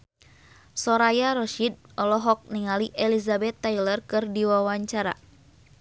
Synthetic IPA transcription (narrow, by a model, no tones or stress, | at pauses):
sɔɾajaɾɔʃid̪̚ | ɔlɔɦɔk̚niŋaliʔɛlizabɛt̪ːajlərkɨrdiwawaɲt͡ʃaɾa̰